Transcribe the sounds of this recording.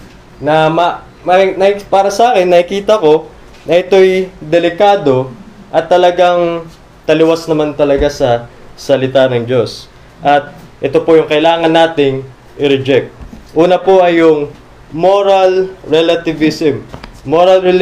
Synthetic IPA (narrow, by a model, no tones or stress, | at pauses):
nɐmɐ | mɐnɐpaːɾɐsɐʔaːkɛnːɐʔɪkiːt̪ɐko̞ | nɐʔɪt̪o̞jd̪ɛlɪkaːd̪o̞ | ʔɐt̪ːɐlɐɡaŋ | t̪ɐlɪwasnɐmant̪ɐlɐɡasɐsɐlɪt̪anɐŋd͡ʒo̞s | ʔɐt̪̚ʔɛt̪o̞pojʊŋkɐʔɪlaːŋɐnːaːt̪ɪŋ | ʔɪɾɛd͡ʒɛk̚t̪̚ʔuːnɐpoʔɐjːʊŋ | mo̞ɾɐlɹɛlɐt̪ɪvɪsɛmːoɾɐlɛ